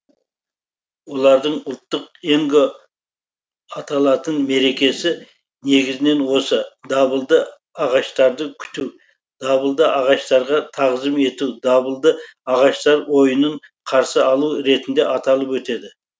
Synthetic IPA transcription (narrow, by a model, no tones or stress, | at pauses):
wo̞lˠɑɾd̪əɴʊlˠt̪ːəqeŋɡo | ɑt̪ɑlˠɑt̪ənme̞ɾe̞kʲe̞sɪ | ne̞ɡʲɪzɪne̞nwo̞səd̪ɑbəlˠd̪ə | ɑʁɑʃt̪ɑɾd̪əkʲʰʏ̥t̪uw | d̪̥ɑβəlˠd̪əʔɑʁɑʃt̪ɑɾʁɑt̪ʰɑʁʒəme̞t̪uwd̪ɑbəlˠd̪əɑʁɑʃt̪ɑɾwo̞jənəɴqʰɑɾsəɑlˠuɾe̞t̪ɪnd̪e̞ʔɑt̪ɑlˠəpwɵt̪e̞d̪ɪ